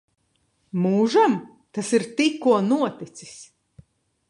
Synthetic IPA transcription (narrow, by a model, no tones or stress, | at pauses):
muːʒam | t̪asiɾt̪ikːuɔnuɔt̪it̪si̥s